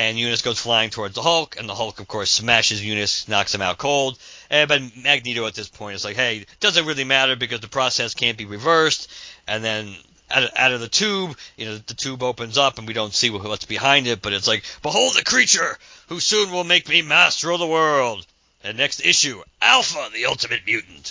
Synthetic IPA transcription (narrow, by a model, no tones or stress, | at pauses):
ɨ̃njʉnɨsɡ̥oʊz̥flaɪɪ̃ŋtʰɔɹdzðəhʌlˠkʰɨ̃nðəhʌlˠkʌv̥kʰɔɹsmæʃɨzjʉnɨsnɑksðɨ̃maʊt̚kʰoʊlˠd̥̚ʔɛbɨtmæɡ̚niɾoʊɨt̪̚ðɪspʰɔ̃ɪ̃ntɨtslaɪkheɪd̥ʌzɨ̃nt̚ɹɪlˠimæɾə˞bɨkʌzðɨpʰɹ̥ɔsɛskʰæ̃nb̥iɹɨvɜ˞stʔɨ̃nðɨ̃n | a̰a̰ʊɾʌvðɨtʰʉbjɨnoʊðɨtʰʉboʊpɨ̃nzʌpn̩wiɾõʊ̃ntsiwʌt̚wʌtsb̥ɨhãɪ̃ndɨt̚b̥ʌɾɨtslaɪk̚b̥əɦoʊlˠd̪̚ðɨkʰɹ̥it͡ʃə˞husũnwɪlˠmeɪk̚mimæstə˞ʌvðəwɜ˞lˠd | ðɨnɛkstɪʃʉʔælˠfəðiʌlˠtɨmɨt̚mjʉʔn̩t